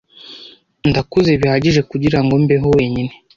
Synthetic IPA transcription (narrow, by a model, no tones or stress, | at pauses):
ndakuze̞βihaɟiʒe̞kuɟiɾaŋɡo̞mbeɦowe̞ːɲine̞